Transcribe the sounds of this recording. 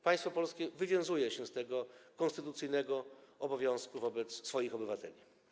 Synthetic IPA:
paj̃st̪fɔpɔlskʲɛvɘvʲjɔ̃w̃zujɛɕɛst̪ɛɡɔkɔ̃nst̪ɘt̪ut̪sɘjnɛɡɔɔbɔvʲjɔ̃w̃skuvɔbɛt̪sːfɔjixɔbɘvat̪ɛlʲi

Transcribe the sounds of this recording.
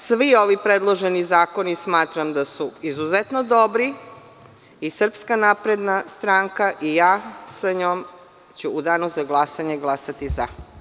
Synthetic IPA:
sʋio̞ʋipɾed̪lˠo̞ʒenizaːko̞nismaːt̪ɾamd̪asuizuzet̪nod̪o̞bɾi | isr̩pskanaːpɾed̪nast̪ɾaŋkaʔijaːsaɲoːm | t͡ɕuːd̪aːnuzaɡlˠasaɲeɡlˠasat̪iza̰

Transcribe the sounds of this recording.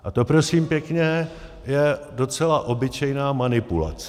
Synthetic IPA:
ʔat̪o̞pɾo̞siːmpjɛkɲɛ | jɛdo̞t͡sɛlaʔo̞bɪt͡ʃɛjnaːmanɪpula̰t͡sɛ̥

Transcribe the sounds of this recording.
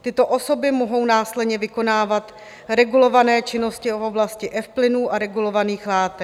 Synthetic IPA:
t̪ɪt̪o̞ʔo̞so̞bɪmoɦo̞wnaːslɛdɲɛvɪko̞naːvat̪ | ɾɛɡulo̞vanɛːt͡ʃɪno̞scɪooblascɪʔɛfplɪnuːʔaɾɛɡulo̞vaniːxlaːt̪ɛ

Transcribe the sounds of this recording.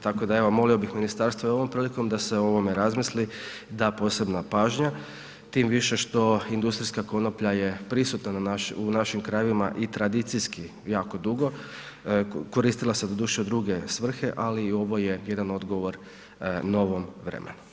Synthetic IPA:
t̪ako̞d̪ae̞ʋomo̞lio̞bixminist̪aɾst̪ʋojo̞ʋo̞mpɾiːliko̞md̪ase̞o̞ʋome̞ɾazmisli | d̪apo̞ːse̞bnapaːʒɲa | t̪iːmʋiʃe̞ʃt̪o̞ind̪ust̪ɾiskako̞nopʎajepɾisut̪nananaʃunaʃimkɾajeʋima̰ʔit̪ɾad̪it̪sijski | jaːko̞d̪uɡo̞ | ko̞ɾiːst̪ilˠased̪od̪uʃiod̪ɾuɡe̞sʋr̩xe̞ʔaliːo̞ʋo̞je̞je̞d̪ano̞d̪ɡoʋo̞ɾ | no̞ʋo̞mʋɾḛmʔḛnu

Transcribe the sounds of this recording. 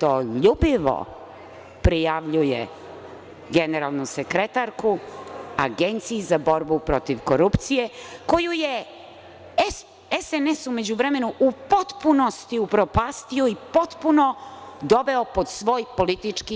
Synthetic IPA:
t̪oʎubiʋo̰ | pɾijaʋʎujḛ | ɡeneɾalˠnusekɾet̪aɾkua̰ɡent̪sijizabo̞ɾbupɾo̞t̪iʋkoɾupt̪sije̞ko̞juje | s | esenesume̞d͡ʑuʋɾe̞me̞nuʔupo̞t̪puno̞st̪iupɾo̞past̪ioipo̞t̪punod̪o̞ʋeopo̞d̪sʋo̞ːjpo̞lit̪it͡ʂki

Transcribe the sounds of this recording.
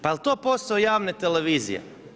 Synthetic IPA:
paelˠt̪opost̪aojaːʋnet̪eleʋiːzḭjḛ

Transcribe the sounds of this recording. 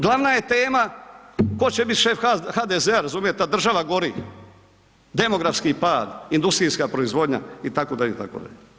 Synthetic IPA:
ɡlaʋnaje̞t̪e̞ːma | ko̞t͡ɕebit̪ʃe̞fxaːd̪ezeaɾazuːmjet̪ad̪r̩ʒaʋaɡo̞ɾiːx | d̪e̞mo̞ɡɾafskipaːd̪ind̪ust̪ɾiːskapɾoizʋo̞d̪ɲa̰it̪akod̪aʎeḭt̪a̰ko̰d̪a̰ʎ

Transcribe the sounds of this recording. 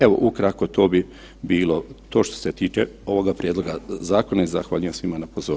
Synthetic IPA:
eʋo̞̰ʔukɾakot̪oːbi | biːlo̞t̪o̞ːʃt̪o̥set̪iːt͡ʃeo̞ʋo̞ɡapɾjed̪lˠo̞ɡazaːko̞naizaxʋaːʎɲijasʋimanapozoː

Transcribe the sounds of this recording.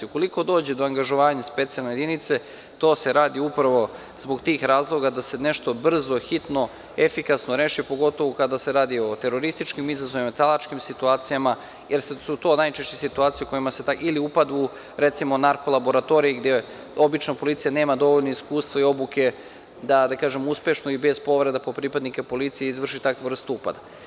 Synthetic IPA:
uko̞liko̞d̪o̞ːd͡ʑed̪oaŋɡaʒoʋaːɲaspe̞t̪sijalnejed̪init̪se̞ | t̪o̞ːse̞ɾaːd̪iupɾaʋo̞ | zboɡt̪iːxɾaːzlˠo̞ɡad̪ase̞ne̞ʃt̪o̞br̩zo̞xit̪no̞ | e̞fikasnoɾe̞ːʃipo̞ɡo̞t̪o̞ʋokad̪ase̞ɾaːd̪io̞t̪e̞ɾo̞ɾist̪it͡ʃkimizazoʋimat̪alˠat͡ʃkimsit̪uaːt̪sijama | jʔeɾsesut̪o̞ːnajt͡ʃe̞ʃt͡ɕesit̪uaːt̪sijuko̞jimase̞t̪ailiupad̪u | ɾet̪simonaɾko̞lˠabo̞ɾat̪o̞ɾijiɡd̪e | o̞bit͡ʃnopo̞lit̪sijane̞ːmad̪o̞ʋoʎnoiskuːst̪ʋaio̞buke̞ | d̪ad̪akaːʒe̞muspe̞ʃnoibe̞zpo̞ʋɾe̞d̪apopɾipad̪nikepo̞lit̪sijeizʋr̩ʃit̪akʋr̩st̪upa̰d̪a

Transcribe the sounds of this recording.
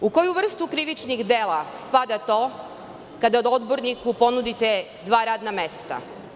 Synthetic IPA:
uko̞juʋr̩st̪ukɾiʋit͡ʃniɣd̪eːlaspad̪at̪o̞ː | kad̪aod̪o̞d̪bo̞ɾnikupo̞nud̪it̪e | d̪ʋaːɾaːd̪name̞st̪a̰

